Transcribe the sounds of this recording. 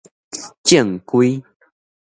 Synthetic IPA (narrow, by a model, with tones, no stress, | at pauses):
t͡ɕjɛ˥˨ŋkwi˦